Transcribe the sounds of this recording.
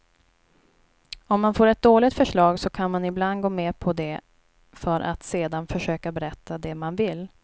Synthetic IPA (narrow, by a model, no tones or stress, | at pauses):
ɔmːanfoːɾɛt̪̚d̪oːlɪɡ̚t̪fœʂɭɑːɡsɔkʰanmanɪbland̪ɡoːmeːpʰɔd̪ɛ | fœɾʔa̰t̪seːd̪anfœʂøːkabɛɾɛt̪ːad̪ɛmanvɪl